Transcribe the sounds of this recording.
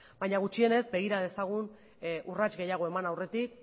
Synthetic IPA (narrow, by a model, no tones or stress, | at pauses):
b̥ajɲaɣ̞ut͡ʃie̞ne̞zbe̞ɣ̞iɾaðe̞saɣ̞un | ʔurat͡ʃɡe̞jaɣ̞o̞e̞manawre̞t̪ik̚